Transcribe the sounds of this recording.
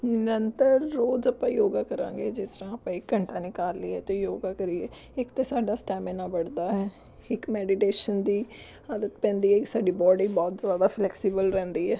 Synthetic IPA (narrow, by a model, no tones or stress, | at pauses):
nɪnənt̪əɾːoːzəpãːjoːɡaːkəɾã̰ːŋɡeːd͡ʒɪsɾãːəpãːɪkːəɳʈãːnɪːkaːɾliːɛːt̪ojoːɡaːkəɾiːeː | ɪkt̪eːsaːɖaːsʈɛːmeːnãːbəɽd̪aːɦɛː | ɪkmɛːɖɪʈeːʃənd̪iː | aːd̪ət̪pɛ̃ːnd̪iːɛːksaːɖiːbɔːɖiːbɔːt̪zjaːd̪aːpʰlɛːksiːbəlɾɛ̃ːnd̪iːɛː